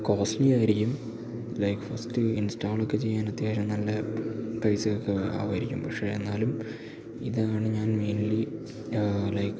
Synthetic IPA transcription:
koːsnijaːjiɾikʲːum | lɐjkfɐstɨinstaːɭo̞kːe̞t͡ɕe̞jːaːnɐt̪jaːɕɐmnɐlːɐpɐjsiɣɐɭkːea̰ːʋɐɾikʲːumpɐkʂe̞ːenːaːlum | iðɨaːɳɨɲaːnme̞ːnli | lɐjk

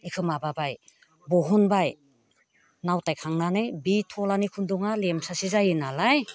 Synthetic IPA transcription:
ikʰɯmababaj | bɔɦɔnbaj | nawtajkʰaŋnanɯjbitʰɔlanikʰundɔŋalemsasizajɯnalaj

